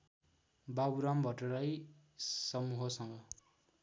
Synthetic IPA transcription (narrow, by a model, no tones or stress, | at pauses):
babuɾambʱʌʈoɾʌj | sʌmuɦʌsʌŋɡʌ